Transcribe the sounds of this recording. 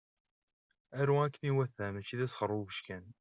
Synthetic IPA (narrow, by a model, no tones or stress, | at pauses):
æɾuækniwæθːæmæt͡ʃiðæsxəɾˤubəʃkæn